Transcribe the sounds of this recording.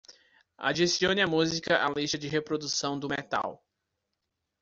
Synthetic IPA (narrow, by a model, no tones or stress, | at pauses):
a̰d͡ʒisiõnɪamuzikɐʔalist̪ɐd͡ʒɪɦepɾod̪usɐ̃w̃d̪ʊmet̪a̰w